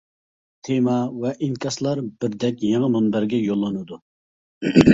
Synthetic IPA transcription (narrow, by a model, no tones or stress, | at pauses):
t̪ʰemɑvɛʔiŋkʲɑslˠɑɾbɪɾd̪ɛkʲjeŋɨmɑnbæɾɡʲɛjolˠːɨnɨd̪u